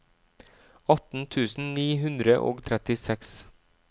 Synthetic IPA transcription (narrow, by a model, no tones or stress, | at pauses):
ɑt̪n̩t̪ʰʉːsn̩niːɦʉnd̪ɾəʔo̰ːɡt̪ʰɾɛt̪ɪsɛks